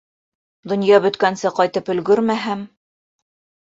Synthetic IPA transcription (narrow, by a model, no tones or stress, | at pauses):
d̪ŏnjɑbɵ̆t̪kænsɘqɒjt̪ɤpɵ̆lɡɵɾmæɦæm